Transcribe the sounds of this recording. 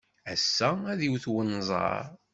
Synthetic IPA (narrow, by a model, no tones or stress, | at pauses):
æsːææðiwθwənzˤɑ̰ɾ